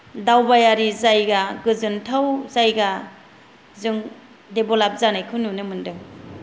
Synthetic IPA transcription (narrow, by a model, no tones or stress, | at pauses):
dawbajaɾizajɡaɡɯzɯntʰawzajɡa | zɯŋ | debɔlap̚zanajkʰɯnunɯmɯndɯŋ